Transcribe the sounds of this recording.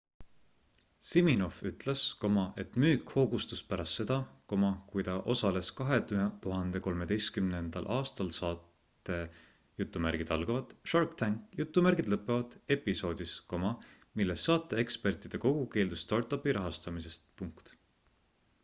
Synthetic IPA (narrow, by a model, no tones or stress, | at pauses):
simino̞fyt̪ˑlesko̞mɑʔet̪myːkho̞ːɡust̪uspæɾɑst̪ːse̞d̪̥ɑko̞mɑkujd̪ɑʔo̞sɑle̞skɑɦe̞t̪uɦɑnd̪̥e̞ko̞lme̞d̪e̞jst̪̚kymnend̪̥ɑ̰lʔɑːst̪ɑlsɑːt̪ːe̞ | jut̪ːˑumærɡ̥id̪̥ɑlɡ̥ɑvɑd̪̥ʃɑrkt̪æŋkˑjut̪ːˑumærɡ̥id̪̥lɤpːˑevɑd̪̥e̞pːiso̞ːd̪̥isko̞mɑ | milːe̞sːɑːt̪ːˑe̞ekspe̞rt̪ˑid̪̥e̞ko̞ɡ̥uke̞ːld̪̥ust̪ɑrt̪ːˑɑpːiɾʔɑɦɑst̪ɑmise̞st̪puŋkt̪